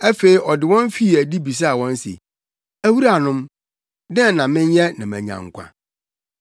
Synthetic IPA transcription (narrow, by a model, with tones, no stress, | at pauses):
æ˦fe˨i˨ʔɔ˨dɪ˨wɔ̃˦n˦fi˦˨æ˨di˦bi˨s̬a˦a˨wɔ̃˦n˦sḛ˨ | æ˦wu˦ɾa˨nʊ̃˦m | dɛ̃˦˨nã˨mɪ̃˦njɛ˦nã˨mæ̰̃˨ɲã̰˨ŋ˨kʷʰã̰˨